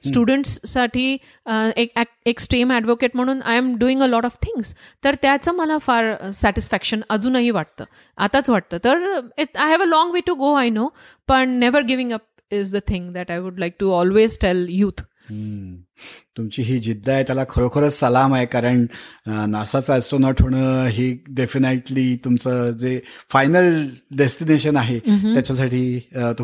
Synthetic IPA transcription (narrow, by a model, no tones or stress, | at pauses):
sʈjuɽəɳʈsːaʈʰiː | ekɛk̚eksʈɾĩmæɖʋokeʈm̤əɽ̃uːnʔa̰jəmɖuːɪ̃ŋɡəlɔʈɔʋt̪ʰɪ̃ŋɡst̪əɾt̪jat͡səːməlafaɾsæʈɪsfækʃənəd͡zũːnaɦiʋaʈ̚t̪ə̰ː | ʔa̰t̪at͡sʋaʈ̚t̪əːt̪əɾɪʈajɦɛʋəlɔ̃ŋɡʋeʈuɡoajno | b̥əɳnɛʋəɾɡɪʋɪ̃ŋəp̚ | ɪzd̪ət̪ʰɪ̃ŋɡd̪æʈajʋuɖlajk̚ʈuɔlʋezʈɛljuːt̪ː | t̪umt͡ɕiːɦiːd͡ʑid̪ʱːajt̪jalakʰəɾokʰəɾət͡ssəlamaɦekaɾəɳnasat͡saəsonəʈʰoɳ̃əɦiːɖefineʈliːt̪umt͡səːd͡zefajnəlɖesʈineɕənaɦet̪jat͡ɕas̬aʈʰiːt̪u